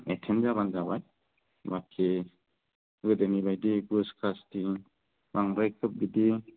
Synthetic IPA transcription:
etʰenzabanzabaj | bakʰe | ɡɯdɯnibajdiɡuskʰasti | baŋbajkʰɯp̚ɡidi

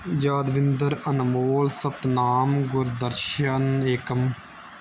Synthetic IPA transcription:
d͡ʒaːd̪ʋɪnd̪əɾɐnmoːlsɐt̪naːmɡʊɾd̪əɾʃəneːkəm

